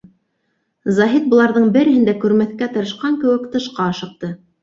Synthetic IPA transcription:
zɑɦit̪̚bŏlˠɑɾðɤɴbɘ̆ɾɘ̆hɘ̆nd̪ækʉɾmæθkæt̪ɤ̆ɾɤ̆ʃqɑŋkɘ̆wɘ̆kt̪ɤ̆ʃqɑɤʃɤ̆q̚t̪ɤ

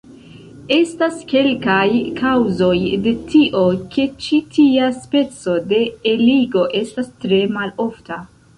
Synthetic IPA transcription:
e̞staske̞lkajkʰawzo̞jde̞tiʔo̞ke̞t͡ʃitʰiaspe̞t͡so̞de̞ːliɡo̞ʔe̞stastɾe̞malo̞fta

